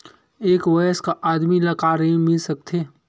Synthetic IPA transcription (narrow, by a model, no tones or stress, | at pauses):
eːkʋɐjəskaʔaːd̪milɐkaːɾɦĩmɪlsɐk̚t̪ʰeː